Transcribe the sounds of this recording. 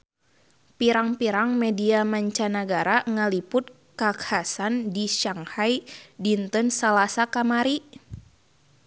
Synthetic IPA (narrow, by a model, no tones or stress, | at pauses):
piɾaŋpiɾaŋmɛdiamaɲt͡ʃanaɡaɾaŋalipʊt̪̚ | kakhasandiʃaŋhajdint̪ɔnsalasakamaɾi